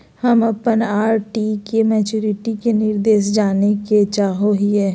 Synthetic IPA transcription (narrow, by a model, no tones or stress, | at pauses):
həmɐpənaːɾʈikemɛːt͡ʃuːɾɪʈikenɪɾd̪eːʃd͡ʒaːneket͡ʃaːɦoɦiɦɛː